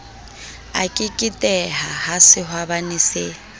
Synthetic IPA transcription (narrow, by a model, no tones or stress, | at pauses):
a̰kʼɪkʼɪtʼɛɦahasɪhwabanise